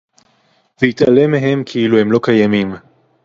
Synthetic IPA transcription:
vehit̪alemeɦe̞mkʰiiluhe̞mlo̞kajamim

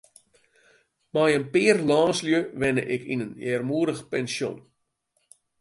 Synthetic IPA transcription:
majənpɪːərlɑːnsljəʋɛnə̰ʔɪkinənjɛːrmuədəxpɛnsjo̰n

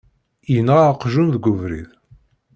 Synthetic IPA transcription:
jənəʁaqʒunðɡʷʊvɾḭð

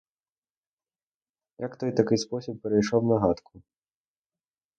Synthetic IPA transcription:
jakt̪ɔjt̪akɨjspɔsʲip̚ːʲɛɾɐjʂɔwnɐɦat̪kʰu

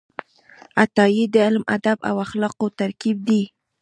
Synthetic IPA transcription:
at̪ɑjid̪əɪlma̰d̪aba̰waxlɑqot̪aɾkib̚d̪i

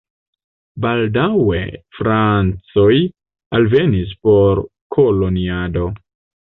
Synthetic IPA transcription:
baldawe̞̰fɾant͡so̞j | alve̞nis̬po̞ɾkʰo̞lo̞niado̞

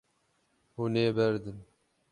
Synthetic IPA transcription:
huneːbɛɾd̪ɨn

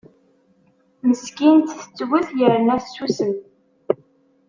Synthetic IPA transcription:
məskint̪θə̥t͡sːwʊθjəɾnæθsːusən

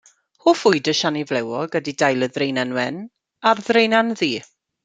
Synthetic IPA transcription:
hʊːfʊɨdəʃanivlɛwɔɡədidajlˠəðrejnanwɛn | arðrejnanðiː

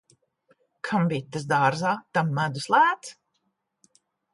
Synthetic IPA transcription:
kʰambiːt̪ːas̬d̪aːɾzaːt̪amːæd̪uslˠæːt̪s

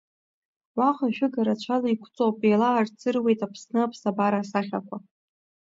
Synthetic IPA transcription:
waqʼaʃᶣʊɡaɾat͡ɕʷʰalaikʷʰt͡sʼowpʼelaːrt͡sʰɨrwe̞jtapʰsnɨapʰsabaɾasaχʲa̰kʷʰa

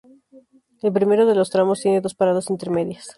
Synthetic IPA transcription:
elp̬ɾime̞ɾoðe̞lo̞st̪ɾamo̞st̪je̞ne̞ðo̞spaɾaðasint̪e̞ɾme̞ðjas

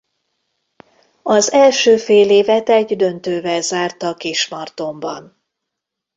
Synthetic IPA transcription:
ɒzɛlʃøːfeːleːvɛt̪ɛɟd̪ø̞nt̪øːvɛlzaːrt̪ɒkiʃmɒrt̪o̞mbɒn

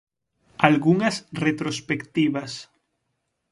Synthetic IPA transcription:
alɣuŋasret̪ɾospekt̪iβas

